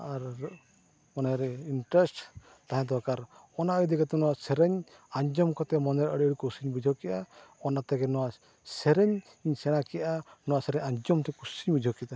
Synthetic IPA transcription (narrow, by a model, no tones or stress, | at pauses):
aɾ | mɔnɛɾinʈɾesʈ | t̪aɦɛ̃d̪ɔkaɾ | ɔnaəid̪ikat̪ɛnɔwasɛɾɛɲ | aɲd͡ʒɔmkɔt̪ɛmɔnɛɾəɽiəɽikusiɲbid͡ʒʱɔkɛʔaɔnat̪ɛɡɛnɔwa | sɛɾɛɲ | iɲsɛɽ̃akɛjanɔwasɛɾɛɲaɲd͡ʒɔmt̪ʰɛkusiɲbid͡ʒʱɔkit̪a